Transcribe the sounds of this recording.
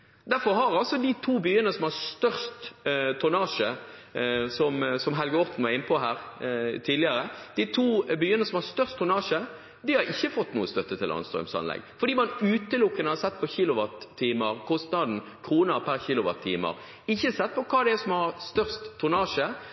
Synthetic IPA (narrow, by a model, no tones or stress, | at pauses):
d̪æɾfɔɾɦɑɾɑlsɔd̪ɪt̪ʰuːbyːənəsɔmhɑɾst̪œɾst̪t̪ʰʊnɑːʂə | sɔmsɔmɦɛlɡəɾɔpːn̩mɑɪnːpʰɔɦæːɾt̪ʰiːd̪lɪəɾəd̪̥ɪt̪ʰuːbyːənəsɔmhɑɾst̪œɾst̪ʰːʊnɑːʂə | d̪ɪhɑɾɪçːəfɔt̪ːnṵːəst̪œt̪ːət̪ʰɪlʔɑ̰nst̪ɾœ̰msɑ̰nlɛ̰ɡfɔɾd̪iːmɑnʉːt̪əlʊkːənəhɑɾsɛt̪ːpʰɔçɪːlʊʋɑt̪ʰːiːməɾkʰɔst̪nɑd̪n̩kʰɾuːnəpʰæɾçɪlʊʋɑ̰t̪ʰːḭːmə̰ɾ | ɪçːəsɛt̪̚ːpʰɔkʰɑːd̪ɛæsɔmhɑɾst̪œʁst̪ʰːʊnɑːʂə